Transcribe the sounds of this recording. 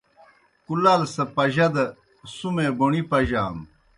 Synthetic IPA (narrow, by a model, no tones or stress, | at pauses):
kulaːlsɐpɐʑɐd̪ɐ | sumebuɳipɐʑaːm